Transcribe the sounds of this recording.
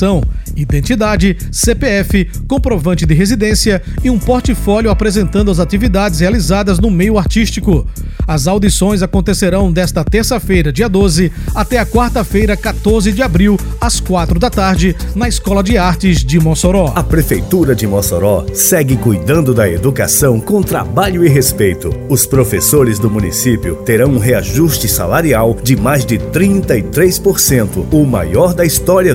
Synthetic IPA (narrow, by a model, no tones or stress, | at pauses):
ɐ̃w̃id̪ẽnt͡ʃid̪ad͡ʒɪ | sepeɛfɪ | kõpɾovɐ̃nt͡ʃɪd̪ɪɦezid̪ẽsiɐ | iũpoɾt͡ʃifɔljʊapɾezẽnt̪ɐ̃nd̪ʊɐzat̪ivid̪ad͡ʒɪs̬healizad̪ɐznʊmejʊaɾt͡ʃist͡ʃikʊɐzawd̪isõj̃zakõnt̪eseɾɐ̃w̃d̪ɛst̪ɐt̪eɾsɐfejɾɐd͡ʒiɐd̪ozɪat̪ɛɐkwaɾt̪ɐfejɾɐkat̪oɾzɪd͡ʒɪabɾiwɐskwat̪ɾʊd̪ɐt̪aɾd͡ʒɪnɐiskɔlɐd͡ʒɪaɾt͡ʃɪzd͡ʒɪmosoɾɔɐpɾefejt̪uɾɐd͡ʒɪmosoɾɔsɛɡɪkujd̪ɐ̃nd̪ʊd̪ɐed̪uka̰sɐ̃w̃kõw̃t̪ɾa̰baʎʊɪɦespejt̪ʊʊspɾofesoɾɪzd̪ʊmũnḭsipiʊt̪eɾɐ̃w̃ũɦeaʒust͡ʃɪsa̰laɾiawd͡ʒɪmajzd͡ʒɪt̪ɾĩnt̪ɐɪt̪ɾejspoɾsẽnt̪ʊʊma̰jɔɾd̪ɐist̪ɔɾiɐ